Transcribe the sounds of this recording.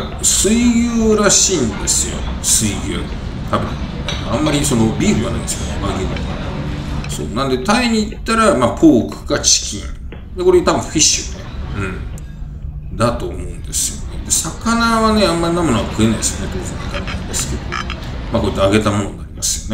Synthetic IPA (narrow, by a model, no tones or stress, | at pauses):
sɨijɨːɾaɕiːnd̪e̞sɨjo̞̰ | sɨijʲɯ | t̪ʰabɯ̟̃ | ãmːaɾʲiso̞no̞bʲiːɾɯ̟iβana̰ĩnd̪esɨjo̰neβaɡeɡa̰ | so̰ːnãnd̪e̞t̪aiɲ̟iːt̪ːaɾamapʰo̞ːkɯ̟̥ɡat͡ɕi̥kʲʰḭ̃ɴ | d̪eko̞ɾet̪abɯ̟̃ɸiɕːɨneɯ̟̃ɴ | d̪at̪o̞ːmo̞ɯ̟̃nd̪e̞sɨjo̞̰ned̪e̞sakanaβane̞ãmːaɾinamonaɡakɯ̟e̞naid̪esɨjonet̪oːzẽnt̪ʰainand̪esɨ̥ke̞d̪o̞ | mako̞it̪ːeaɡe̞t̪amo̞no̞naɾʲimasɨjo̞ne